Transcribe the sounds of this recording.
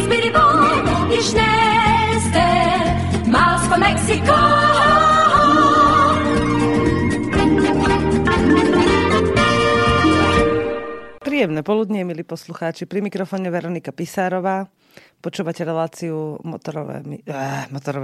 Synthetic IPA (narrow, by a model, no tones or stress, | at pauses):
biɾibɔ | iʃnɛ | st̪ɛ | malskɔmɛksikɔ | pɾiːjɛmnɛpɔlud̪ɲɛmiliːpɔsluxaːt͡ʃipɾimikɾɔfɔːɲɛʋɛɾɔnikapisaːɾɔʋaː | pɔt͡ʃuːʋacɛɾɛlaːt͡siumɔ̰t̪ɔɾɔʋɛ̰mḭɛmɔt̪ɔɾɔʋ